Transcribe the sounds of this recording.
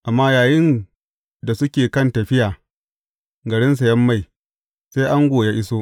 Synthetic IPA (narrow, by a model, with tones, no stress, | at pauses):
ʔa˨mːaː˦jaː˨jɪ˦ŋ | da˨sʊ˦kʲeː˨kɐ˦˨ntɐ˨ɸɪ˦jaː˨ | ɡɐ˨ɽɪ˦ns̬a˨jɐ˦mːa˦˨j | se˦jʔa˦ŋɡʷoː˨ja˦ʔɪ˦soː˦